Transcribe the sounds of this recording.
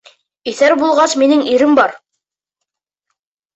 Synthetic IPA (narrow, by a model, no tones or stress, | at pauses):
iθæɾbulˠʁɑsminɘŋiɾɘmbɑɾ